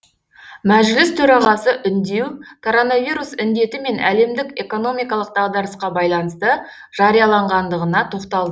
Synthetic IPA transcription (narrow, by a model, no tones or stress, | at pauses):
mæʒlɪst̪ʰɵɾɑʁɑsəʔʏnd̪e̞wkʰo̞ɾo̞navijɾusʏnd̪e̞t̪ɪme̞nʔæ̰le̞md̪ɪke̞ko̞no̞mijkɑlˠəq̚d̪ɑʁd̪ɑɾəsqɑbɑjlˠɑnəst̪ə | ʒ̥ɑɾijɑlˠɑɴʁɑnd̪əʁənɑt̪ʰo̞qt̪ɑlˠd̪ə